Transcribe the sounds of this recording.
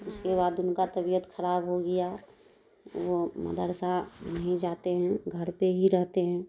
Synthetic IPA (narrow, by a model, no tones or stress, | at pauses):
ʊskeβaːd̪ʊnkat̪əbijət̪kʰəɾaːbɦoɡɐja | ʋomə̰d̪əɾsanəɦĩd͡ʒaːt̪eɦɛ̃ɡʱəɾpeɦiɾəɦt̪eɦɛ̃ː